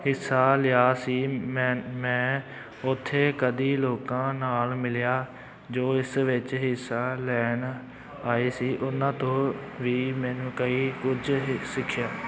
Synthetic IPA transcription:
hɪsaːlɪjaːsiːmɛ̃mɛ̃ː | ʊt̪ʰːeːkəd̪iːloːkãːnaːlmɪlɪjaː | d͡ʒoːɪsʋɪt͡ʃɦɪsaːlɛːn | aːeːsiːʔʊnãːt̪õːʋiːmɛ̃ːnũːkəiːkʊd͡ʒsɪkʰːɪjaː

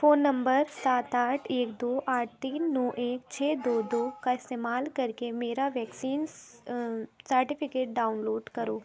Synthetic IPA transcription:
foːnːɐ̃mbəɾsaːt̪aːʈʰeːkd̪oːʔaːʈ̚ʰt̪iːnːɔːʔeːkt͡ʃʰeːd̪oːd̪oːkaɪst̪eːmaːlkɐɾkemeːɾaʋɛːksiːn | səɾʈɪpʰɪkeːʈ̚ɖaːʊnloːɖkɐɾoː

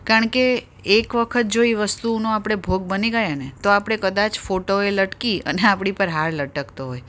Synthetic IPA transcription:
kaɾəɳkeː | kʋəkʰət̪̚d͡ʒoiʋəst̪unoapɽ̃ebʱoɡ̚bəniɡəjanet̪oapɽ̃ekəd̪at͡ʃfoʈoeləʈkiə̰neapɽ̃ipəɾɦaɾləʈəkt̪oɦoj

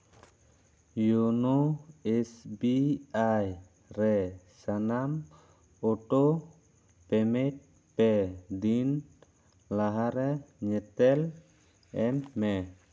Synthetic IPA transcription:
junuɛsbiaj | ɾɛ | sanam | ɔʈɔ | pɛmɛt̚ | pɛd̪in | laɦaɾɛɲɛt̪ɛl | ɛmːɛ

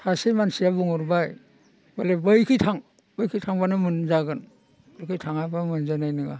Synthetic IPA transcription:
hasemansijabuŋɯɾbaj | balebɯjkʰitʰaŋ | bɯjkʰitʰaŋbanɯmɯnzaɡɯn | dɔkʰɯjtʰaŋabamɯnzanajnɯɡa̰

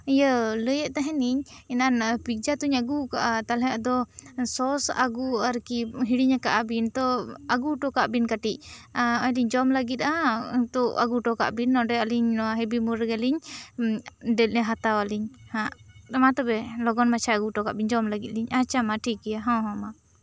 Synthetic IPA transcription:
ijələjəʔt̪aɦɛ̃niɲ | ɛnanpik̚d͡ʒat̪uɲaɡukaʔat̪alɛjaʔd̪ɔsɔsa̰ɡuaɾkiɦiɽiɲakaʔabint̪ɔaɡuʈɔkaʔbinkaʈic̚ɔjliɲd͡ʒɔmləɡit̪̚at̪ɔa̰ɡuʈɔka̰ʔbinːɔ̃ɖɛaliɲɦɛbimuɾɡɛliɲ | ɖɛlnɛɦat̪awaliɲhaʔamat̪ɔbɛlɔɡɔnmat͡ʃʰaaɡuʈɔka̰ʔbiɲd͡ʒɔmlaɡit̪̚liɲat͡ʃamaʈʰikɛjaɦãwɦɔ̃ma

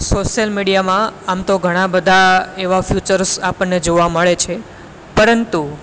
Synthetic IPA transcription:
soʃjəlmiɽijamãamt̪oɡʱəɽ̃ãbəd̪ʱaeʋafjut͡ʃəɾsapəɳːed͡ʒoʋaməɭet͡ʃʰe | pəɾənt̪u

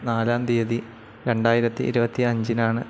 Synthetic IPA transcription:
naːlaːmd̪ijɐði | ɾe̞ɳɖaːjiɾɐt̪ːḭḭɾubɐt̪ːiɐɲd͡ʑinaːɳɨ

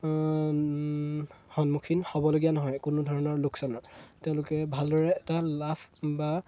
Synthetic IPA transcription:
hɔnmukʰinhɔbɔloɡijanɔɦɔjkʊnʊdʱɔɹɔnɔɹlʊksɔnɔɹtɛʊ̃lʊkɛbʱaldɔɹɛːtalapʰba

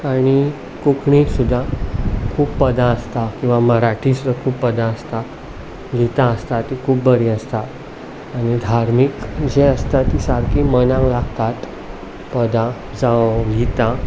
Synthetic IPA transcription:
aɽ̃i | kukʰɳĩsud̪ʱːakʰuːbpəd̪ãəst̪akĩw̃ʋaməɾaʈʰisud̪ʱːakʰuːbpəd̪ãəst̪a | ɡit̪aəst̪at̪ikʰuːbbəɾiəst̪aː | ñid̪ʱaɾmikd͡ʑeəst̪at̪isaɾkʰimənãŋlaɡt̪at̪ | pəd̪a | d͡zaɡit̪ã

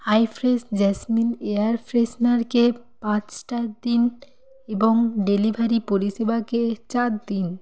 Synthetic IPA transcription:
hajfɾesd͡ʑɛsmineaɾfɾesnaɾke | pãt͡ɕʈad̪in | eboŋɖelibʱaɾipoɾiʃebaket͡ɕaɾd̪in

